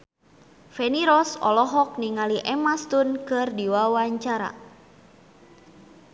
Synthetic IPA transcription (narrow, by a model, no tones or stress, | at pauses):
fɛniɾɔsɔ̰lɔɦɔk̚niŋaliʔɛmast̪unkɨrdiwawaɲt͡ʃaɾa̰